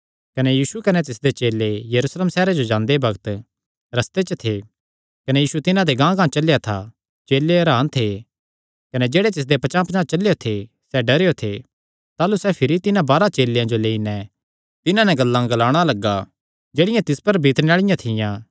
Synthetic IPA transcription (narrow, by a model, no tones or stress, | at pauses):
kɐnɛjiːsukɐnɛt̪ɪsd̪et͡ʃeːlːejɐɾusleːmsɛːɾad͡ʒod͡ʒãːnd̪ebɐɡət̪ | ɾɐst̪et͡ʃət̪ʰe | kɐnɛjiːʃut̪ɪnãd̪eɡãːɡãːt͡ʃɐlejat̪ʰa̰ | t͡ʃeːlːeɐɾãːnt̪ʰe | kɐnɛd͡ʒeːɽet̪ɪs̬d̪epɐt͡ʃãːpɐt͡ʃãːt͡ʃɐlːejot̪ʰe | sɛɖɐɾeːjot̪ʰe | t̪aːlusɛpʰɪɾit̪ɪnãbaːɾat͡ʃeːlːejãd͡ʒoleːinɛ | t̪ɪnãnɛ̃ɡɐlːãɡɐlaːɽ̃alɐɡːa | d͡ʒeːɽɪjãt̪ɪspɐɾbʱiːt̪ñeaːɭɪjãt̪ʰɪjãː